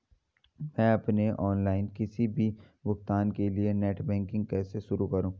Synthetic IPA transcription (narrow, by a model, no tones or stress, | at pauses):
mɛ̃ːɐpneʔɔːnlaːɪnkɪsibʱi | bʊxt̪aːnkelienɛːʈbɛ̃ːŋkɪ̃ŋɡ̚kɛːseʃʊɾukɐɾũː